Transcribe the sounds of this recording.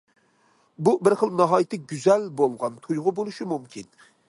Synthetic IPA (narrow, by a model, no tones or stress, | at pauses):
bubɪɾχəlˠnɑɦɑjit̪ʰɪɡʲyzɛlbolˠʁɑnt̪ʰujʁʊbolˠuʃɪmumkʲʰin